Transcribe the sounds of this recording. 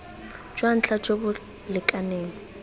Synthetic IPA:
d͡ʒwan̩t͡ɬʰad͡ʒʼobʊ | lɪkʼaneːŋ̩

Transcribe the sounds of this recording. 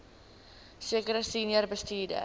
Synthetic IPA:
siəkəɾəsiniərbəstiːdə̰

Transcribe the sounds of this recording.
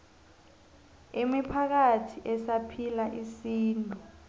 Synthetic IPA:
emipʰak̬atʰiʔɛsapʰilaʔisiːntʼu

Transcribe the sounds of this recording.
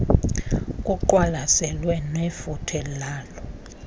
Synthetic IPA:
kʼuǃwalasɛlwɛnefutʰɛlaːlɔ

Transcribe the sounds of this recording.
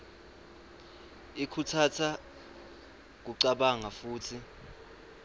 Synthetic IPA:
ikʰutʰatʰa | k̬uǀaɓaŋafuːtʰi

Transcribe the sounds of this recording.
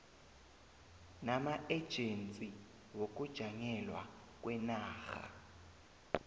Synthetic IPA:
namaʔɛd̥ʒ̥ʱent͡sʼi | wok̬ʼud̥ʒ̥ʱaŋɛlwa̰ | k̬ʼwɛnaːxa̰

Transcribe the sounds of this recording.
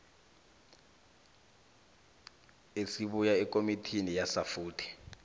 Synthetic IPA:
esiɓujaɛk̬ʼomitʰinijasafuːtʰɛ̥

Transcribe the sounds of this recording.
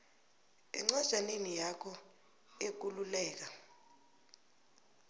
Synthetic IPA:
ḭŋ͡ǀɔz̥ʱanemijakʰɔ | ek̬ululɛːk̬a

